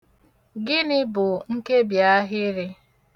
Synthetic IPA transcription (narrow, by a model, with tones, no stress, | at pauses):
ɡɪ˦nɪ˦bʊ˨ŋ̩˦ke˦bja˨˦ɦɪ˦ɾɪ˦